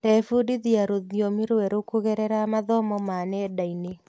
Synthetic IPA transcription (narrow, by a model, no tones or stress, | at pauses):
ɛfudiðiaɾoðjɔmiɾwɛɾokuɣɛɾɛɾamaðɔmɔmanɛdaine